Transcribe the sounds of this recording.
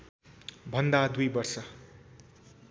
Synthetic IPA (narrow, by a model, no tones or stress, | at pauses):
bʱʌnd̪ad̪ujbʌrsʌ